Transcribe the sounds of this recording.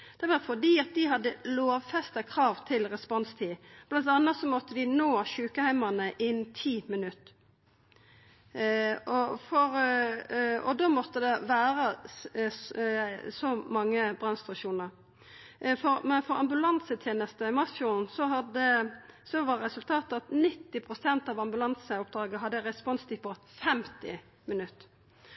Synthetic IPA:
d̪̥ɛʋɑɾfɔd̪iːɑt̪̚d̪ɪɦɑd̪ːəloːʋfɛst̪əkʰɾɑːʋt̪ʰɪlʁɛspɔnst̪ʰiːb̥lɑnt̪ɑnːɑt̪sɔmɔt̪ːəd̪ɪnoːɕʉːkəhæɪmɑnəʔɪnt̪ʰiːmɪnʉt̪ː | ɔfɔɾ | ɔd̪oːmɔt̪ːəd̪ɛʋæːɾə | sɔmɑŋːəbɾɑnst̪ɾʊʃuːnəɾ | fɔɾmɛnfɔɾɑmbʉlɑnsət̪ʰjeːnəst̪əɪmɑsfjuːnsɔɑd̪əsɔʋɑɾʁɛsʉlt̪ʰɑːt̪ɑt̪nɪt̪ːɪpʰɾʁʊsɛnt̪ɑʋɑmbʉlɑnsəʊp̚d̪ɾɑːɡəɦɑd̪ːəɾɛspɔnst̪ʰipɔfɛmt̪ɪ̰ | mɪnʉt̪ː

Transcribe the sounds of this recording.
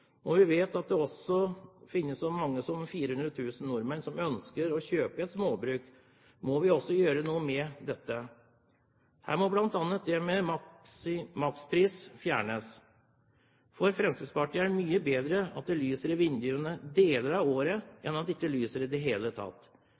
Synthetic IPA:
ɔʋɪʋeːt̪ɑt̪̚d̪ɛɔsɔfɪnːəssɔmɑŋːəsɔmfiːɾəhʉnd̪ɾət̪ʰʉːsn̩nʊɾmənsɔmœnskəɾɔçøːpəɛt̪smoːbɾʉːk | mɔʋɪɔsːɔjøːɾənuːəmɛd̪ɛt̪ːə | hæ̰ːɾmɔblɑnt̪ɑnːət̪̚d̪ɛmɛmɑ | mɑkspʰɾiːsfjæːɳəs | fɔɾfɾɛmsiːd̪spɑʈɪæɾmyːəbeːd̪ɾəɑ̰t̪̚d̪ɛlyːsəɾɪʋɪnd̪ɪʊənəd̪eːləɾɑʋoːɾəʔɛnːɑt̪d̪ɪkːəlyːsəɾɪd̪ɛɦeːlət̪ʰɑ̰t̪ː

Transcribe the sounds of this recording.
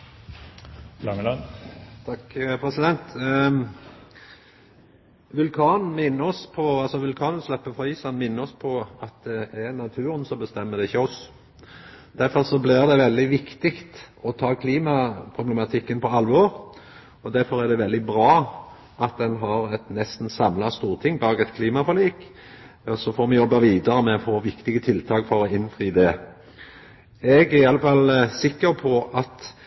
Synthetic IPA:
lɑŋəlɑnt̪ʰɑkpʰɾɛsɪd̪ɛnt̪ | ʋʉlkʰɑːn̩mɪnːəɔspʰɔɑlsɔʋʉlkʰɑːnlslɛpːəfɔiːsɑnmɪnːəɔspʰɔɑt̪̚d̪ɛɛɾnɑt̪ʰʉːɾənsɔbəst̪ɛmːəd̪ɛɪçːəɔs | d̪̥æɾfɔʁsɔblɪʁd̪ɛʋɛld̪ɪʋɪkt̪ɪkt̪ɔt̪ʰɑːkʰliːmɑpʰɾʊblɛmɑt̪ʰɪkːənpʰɔɑlʋoːɾ | ɔd̪æɾfɔɾæd̪ɛʋɛld̪ɪbɾɑː | ʔɑt̪̚d̪ɛnɦɑɾɛt̪nɛst̪n̩sɑmlɑst̪uːʁt̪ʰɪŋːbɑːɡɛt̪kʰliːmɑfɔliːk | ɔsɔfɔɾmɛjɔbːɑʋiːd̪əɾəmɛɔfoːʋɪkt̪ɪɡət̪ʰɪlt̪ʰɑːkfɔɾɔɪnfʁiːd̪ɛ | ɛɡæɾɪɑləfɑlsɪkːəɾpʰɔʔɑt̪

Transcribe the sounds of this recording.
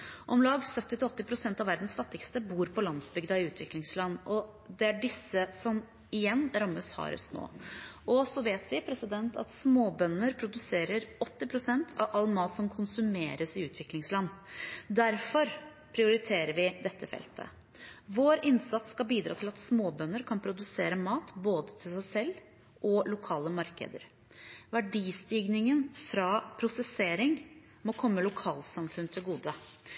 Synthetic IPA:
ʔɔmlɑːɡsœt̪ːɪt̪ɪɔt̪ːɪpʰɾʊsɛnt̪ɑʋæɾd̪n̩sfɑt̪ːɪkst̪əbuːɾpʰɔlɑnsbʏɡd̪ɑɪʉːt̪ʰʋɪklɪŋslɑnːɔ | d̪ɛæɖɪsːəsɔm | ɪjɛnːɾɑmːəshɑ̰ɾœ̰st̪no̰ːʔɔsɔʋeːt̪ʋɪpʰɾɛsɪd̪ɛnt̪ʰɑ̰t̪smoːbœnːəɾpʰɾʊd̪ʉseːɾəɾɔt̪ːɪpʰɾʊsɛnt̪ʰɑʋʔɑlmɑːt̪sɔmkʰʊnsʉmeːɾəsɪʉːt̪ʰʋɪklɪŋslɑnːd̪æɾfɔɾ | pʰɾɪʊɾɪt̪ʰeːɾəɾʋɪd̪ɛt̪ʰːəfɛ̰lt̪ʰə̰ | ʋoːɾɪnsɑt̪skɑlbiːd̪ɾɑ̰ːt̪ɪlɑt̪smoːbœnːəɾkʰɑnpʰɾʊd̪ʉseːɾəmɑːt̪boːd̪ət̪ʰɪlsæɪsɛlː | ʔɔlʊkʰɑːləmɑɾkə̰d̪ə̰ɾ | ʋæɖiːst̪iːɡnɪŋənfɾɑːpʰɾʊsɛseːɾɪŋ | mɔkʰɔmːəlʊkʰɑːlsɑmfʉnt̪ʰɪlɡuːd̪ə

